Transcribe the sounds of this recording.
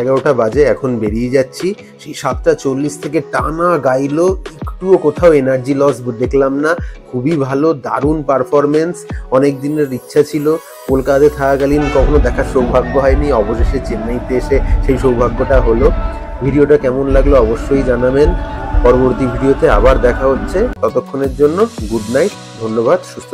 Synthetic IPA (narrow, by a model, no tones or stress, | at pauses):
ɡaoʈabad͡ʑeɛkʰonbeɾied͡ʑatːɕʰi | ʃiʃat̪ːat͡ɕolːist̪ʰekeʈanaɡajloekʈuokot̪ʰaoenaɾd͡ʑilɔsd̪eklamnakʰubibʱalod̪a̰ɾunpaɾfɔɾmensɔnek̚d̪ineɾːitːɕʰat͡ɕʰilo | kolkad̪et̪ʰakaɡalinkɔkʰonod̪ɛkʰaɾʃowbʱaɡːoɦɔeniɔboʃeʃet͡ɕemːajt̪eeʃeʃejʃowbʱaɡːoʈaɦolo | bʱiɖioʈakɛmonlaɡloɔboʃːojd͡ʑanamenpɔɾoboɾt̪ibʱiɖiot̪ea̰baɾd̪ɛkʰaɦotːɕʰet̪ɔt̪okʰːoneɾd͡ʑonːoɡuɖnajʈ | d̪ʱonːoβad̪ʃust̪ʰo